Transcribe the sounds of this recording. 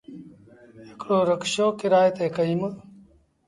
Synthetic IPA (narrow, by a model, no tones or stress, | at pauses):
ɦɪkɽoːɾəkʃoːkɪɾaːjət̪eːkəiːmə